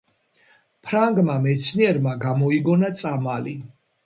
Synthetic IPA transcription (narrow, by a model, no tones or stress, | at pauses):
pʰɾaŋɡmamɛt̪sʰniɛɾmaɡamɔiɡɔnat̪sʼamali